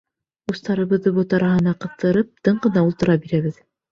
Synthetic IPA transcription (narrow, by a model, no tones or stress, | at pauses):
ust̪ɑɾɤ̆βɤ̆ðːɤβot̪ɑɾɑɦɤ̆nɑqɤ̆θt̪ɤ̆ɾɤp̚t̪ɤɴɢɤ̆nɑulˠt̪ɤ̆ɾɑbiɾæβɘð